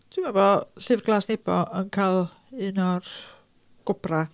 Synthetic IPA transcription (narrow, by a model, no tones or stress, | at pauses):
tʰwimabɔɬɨvrɡlˠaːsneb̥ɔʔənkʰalˠ | ɨnɔr | ɡ̥ʊb̥ra